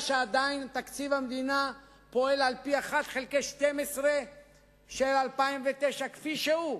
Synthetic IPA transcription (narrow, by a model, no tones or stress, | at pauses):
ʃead̪aint̪akt͡sivamd̪ina | po̞e̞lalpiaχat̪χelkeʃt̪emesʁe | ʃelalpaimvet̪eʃakfiʃeu